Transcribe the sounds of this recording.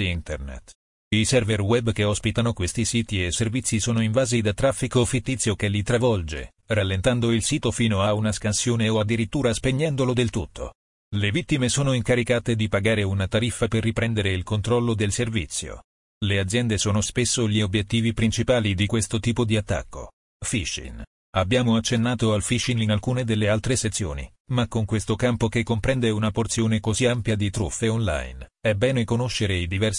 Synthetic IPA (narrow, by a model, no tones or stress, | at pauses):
int̪ernḛt̪ː | isɛrverwɛbːk̟eɔspit̪anokwest̪isiːt̪ieservit̪sːisoːnoiɱvaːzid̪at̪ːɾafːikofit̪ːit̪sːjokelit̪ɾavɔld͡ʒḛ | ralːent̪and̪oilsiːt̪ofiːnoaunaskansjoːneoad̪ːiɾit̪ːuːɾaspeɲːɛnd̪olod̪elt̪ut̪ʰːo̰ | levit̪ːimesoːnoiŋkaɾikaːt̪ed̪ipaɡaːɾeunat̪aɾifːaperːipɾɛnd̪eɾeilkont̪ɾɔlːod̪elservit̪sːjo̰ | lead̪zːjɛnd̪esoːnospesːoʎiobjet̪ːiːvipɾint͡ʃipaːlid̪ikwest̪ot̪iːpod̪iat̪ːa̰kːo̰ | fiʃːḭn | abːjaːmoat͡ʃːenːaːt̪oalfiʃininalkuːned̪elːealt̪ɾeset̪sːjo̰ːnḭ | makːoŋkwest̪okampokekːompɾɛnd̪eunaport̪sjoːnekoziampjad̪it̪ɾṵfːeonla̰jnɛbɛːnekonoʃːeɾeid̪ivɛrs